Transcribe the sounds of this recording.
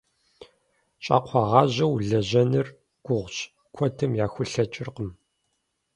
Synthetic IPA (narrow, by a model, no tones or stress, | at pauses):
ɕʼa̰ːqʷʰɑʁɑːʑɐwɮɐʑɐnɨr | ɡ̥ʷʊʁʷɕ | kʷʰɔtʰɨmjaːxʷʊɬɐt͡ʃʼɪrqəm